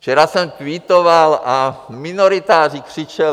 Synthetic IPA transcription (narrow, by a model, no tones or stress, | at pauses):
t͡ʃɛɾasɛmk̪ʋit̪oʋalaminɔɾit̪aːripr̥it͡ʃɛ